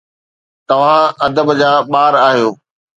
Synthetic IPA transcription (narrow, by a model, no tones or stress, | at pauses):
t̪ɐʋ̤ãɐd̪əbd͡ʑaːɓaːɾaːɦijoː